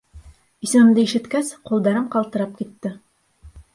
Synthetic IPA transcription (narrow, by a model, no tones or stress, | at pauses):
isɘ̆mɘ̆md̪ɘiʃɘ̆t̪kæsqulˠd̪ɑɾɤmqɑlˠt̪ɤ̆ɾɑp̚kit̪ːɘ